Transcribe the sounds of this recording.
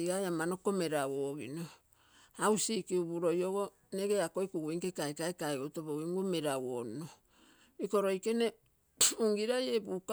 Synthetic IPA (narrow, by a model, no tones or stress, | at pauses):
ɡajamano̞ko̞me̞ɾawoɡino | awsikiubuɾo̞joɡo̞ | ne̞ɡe̞ako̞jkuɡuiŋkekaekaekaeɡotoboɡiŋɡume̞ɾawono | iko̞ɾo̞jke̞ne̞ | uŋɡiɾajebuka